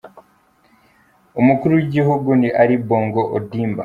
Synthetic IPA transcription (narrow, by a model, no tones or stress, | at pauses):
omukuɾuwiɟiɦuɡuniʔaɾiboːŋɡoʔodiːmba̰